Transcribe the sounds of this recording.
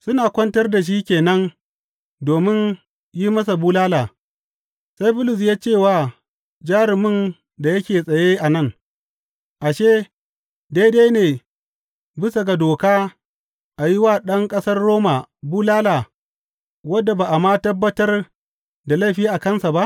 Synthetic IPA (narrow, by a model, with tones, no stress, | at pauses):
sʊ˦naː˨kʷɐ˦ntɐ˦rda˨ʃ̬iː˦kʲeː˨nɐ˦n | doː˨mɪ˦n | ji˦mɐ˦s̬a˨buː˦laː˦laː˨ | sa˦jbʊ˦lʊ˨s̬jaː˦t͡ʃeː˦˨waː˨ | d͡ʒaː˦ɾɪ˨mɪ˦n | da˨jɐ˦kʲeː˨sʼɐ˨jeː˦ʔa˨nɐ˦˨ŋ | ʔa˨ʃeː˦ | daː˦jdeː˦neː˨ | bɪ˦sɐ˨ɡa˨doː˨kaː˦ | ʔa˨ji˦waː˨ɗɐ˦ŋkʼɐ˦sɐ˦rːoː˦ma˨buː˦laː˦laː˨ | wɐ˦dːa˨baː˨ʔa˨mːaː˦tɐ˦bːɐ˦tɐ˦r | da˨lɐ˦˨ɸiː˦ʔa˨kɐ˦nsa˨ba˦ʔ